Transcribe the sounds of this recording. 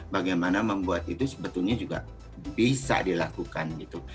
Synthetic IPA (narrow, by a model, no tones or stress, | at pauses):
baɡajmanaməmbuat̪it̪usə̥bət̪ʊlɲad͡ʒuɡa̰ | bisa̰dilakukanɡit̪u